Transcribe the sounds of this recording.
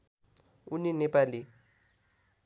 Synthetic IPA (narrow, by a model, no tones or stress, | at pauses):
ʊnɪnepʼalɪ